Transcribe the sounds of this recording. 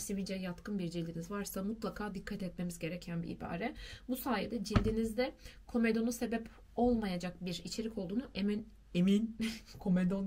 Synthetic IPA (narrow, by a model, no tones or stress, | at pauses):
sivid͡ʒɛjat̪kʰɯnbiɾd͡ʒilʲd̪ʲinizvaɾsamut̪lˠakʰaːd̪ikʰːat̪ɛt̪me̞mizɟe̞ɾɛcʰænbḭḭba̰ːɾɛbusaːjɛd̪ɛd͡ʒilʲːinizd̪ɛkʰo̞me̞d̪o̞nuse̞bɛp | o̞lˠmajad͡ʒak̚biɾit͡ʃʰe̞ɾicʰo̞lˠd̪uːnuʔemin | eminkʰo̞med̪on